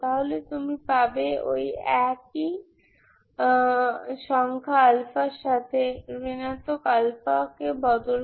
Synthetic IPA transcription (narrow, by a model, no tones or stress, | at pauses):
t̪aɦolet̪umipabeo̰jɛk̚i | ʃɔŋkʰaalfaɾʃat̪ʰebinat̪okalfakebɔd̪ol